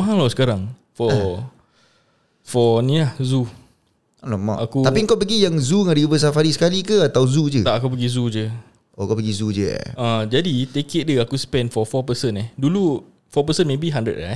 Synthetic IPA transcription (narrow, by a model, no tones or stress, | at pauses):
maɦãlawsə̥kaɾaŋ | fɔ | fɔnĩlahzu | lɔma̰ʔakut̪apiŋkɔʔpəɡijaŋzuŋadiubəs̬afaɾisə̥kalikəat̪awzud͡ʒət̪aʔakupəɡizud͡ʒə | ʔokɔʔpəɡizud͡ʒə̰ə̃d͡ʒadit̪ekeʔ̪̚dəakuspɛ̃nfɔfɔpəsənɛhdulu | fɔpəsənmẽbiɦãndə̰ʔ̚a